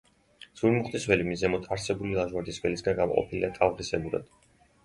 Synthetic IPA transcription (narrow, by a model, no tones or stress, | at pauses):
z̥uɾmuχt̪ʼisvɛlimizɛmɔt̪ʰaɾsɛbulilˠaʒmaɾd̪ʼisvɛlisɡanɡamɔqʼɔ̰pʰilid̪at̪ʼavʁisɛbuɾa̰d̪̥